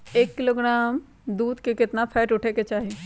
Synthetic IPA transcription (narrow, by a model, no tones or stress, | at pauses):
eːkːɪloːɡɾaːm | d̪uːd̪kekɪt̪napʰɛːʈʊʈʰeket͡ʃaːɦi